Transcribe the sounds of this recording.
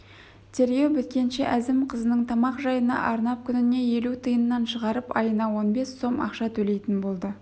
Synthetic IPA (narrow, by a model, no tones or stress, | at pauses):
t̪ʲʰe̞ɾɡʲe̞wbʏt̪̚kʲe̞nʃe̞ʔæzɪmqʰəzənəɴt̪ʰɑmɑqʒɑjənɑ̰ʔɑɾnɑp̚kʲʰʏnɪne̞je̞lut̪ʰəjənːɑnʃəʁɑɾəpɑjənɑwo̞nbe̞sːo̞mɑ̰qʃɑt̪ʰɵle̞jt̪ɪnbo̞lˠd̪ə